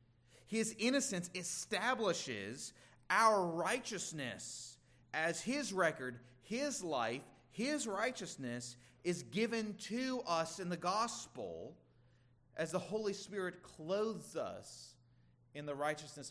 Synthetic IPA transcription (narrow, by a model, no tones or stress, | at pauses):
hɪzɪ̃ñɨsɨ̃nsɨstæbləʃɪ̰z | ʔaʊə˞ɹaɪt͡ʃɨsnɨ̰s | ɨz̥ɪzɹɛkə˞d̚hɪzla̰ɪf | hɪzɹaɪt͡ʃɨsnɨsɪzɡɪvɨ̃ntʰɨʌsɨ̃nðɨɡɑspl̩ˠ | ʔɨzðəhoʊlˠispɪɹɨt̚kʰl̥oʊðzʌ̰s | ɨ̃nðɨɹaɪt͡ʃɨsnɨs